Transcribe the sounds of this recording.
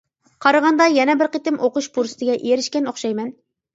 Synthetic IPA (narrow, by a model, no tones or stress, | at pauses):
qʰɑɾɑʁɑnd̪ɑjɛnɛbɪɾqet̪ɪmʔoquʃpʰuɾsɨ̥t̪ʰɪɡʲɛʔijeɾɪʃkʲɛnoχʃɑjmɛn